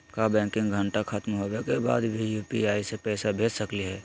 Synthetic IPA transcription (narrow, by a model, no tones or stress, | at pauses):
kabɛ̃ːkɪ̃ŋɡʱə̃ɳʈaxɐt̪mɦowekeba̰ːd̪bʱijuːpiaːisepɛːsabʱeːd͡ʒsɐkliɦɛː